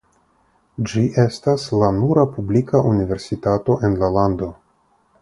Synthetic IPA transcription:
d͡ʒiʔe̞staslanuɾapublikaʔunive̞ɾsitato̞ʔe̞nlalando̞

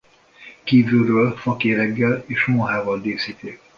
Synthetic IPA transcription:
kiːvylrøːlfɒkeːɾɛɡːɛleːʃmoɦaːvɒld̪eːsiːt̪eː

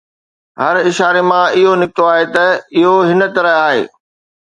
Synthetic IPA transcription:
ɦɐɾɪʃaːɾemãɪɦonɪkɪt̪oaːɦet̪ɐɪɦoɦɪnət̪ɐɾəɦaːɦḛː

